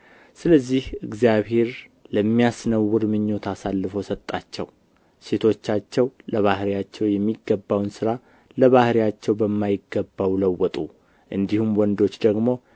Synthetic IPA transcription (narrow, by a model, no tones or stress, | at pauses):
sɨləzːihɨɡzijaβhe̞ɾləmːijasnəwːɨɾmɨɲːo̞t̪ʰasalːɨfo̞sət̪ʼːat͡ʃːɛ̰w | se̞t̪ʰo̞t͡ʃːat͡ʃːɛwləβahɾijat͡ʃːɛwjɛmːiɡːəbːawnsɨɾa | ləβahɾijat͡ʃːɛwbəmːajɪɡːəbːawləwːɔt̪ʼu | ʔɨnd̪ihumwɔnd̪o̞t͡ʃːd̪əɡmo̞